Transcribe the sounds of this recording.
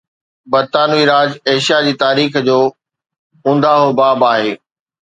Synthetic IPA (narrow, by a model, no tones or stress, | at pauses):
bɐɾt̪aːnuiɾaːd͡ʑeːʃijad͡ʑiːt̪aːɾiːxd͡ʑoː | ʊ̃nd̪aːɦobaːbaːɦeː